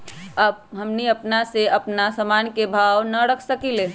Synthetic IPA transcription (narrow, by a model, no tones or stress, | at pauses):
əb̚ɦəmniəpnaseəpnasəmaːnkebʱawnəɽəkʰsəkile